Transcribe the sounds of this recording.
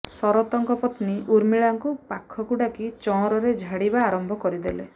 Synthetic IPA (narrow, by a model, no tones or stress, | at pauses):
sɔɾɔt̪ɔŋkɔpɔt̪niʔuɾmiɭaŋkupakʰːɔkuɽakit͡ʃɔ̃ɔɾɔɾed͡ʒʱaɽibaːɾɔmbʱɔkɔɾid̪ele